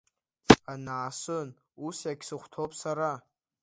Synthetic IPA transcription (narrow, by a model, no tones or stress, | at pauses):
anaːsɨn | usjakʲsɨχʷtʰopʼsaɾa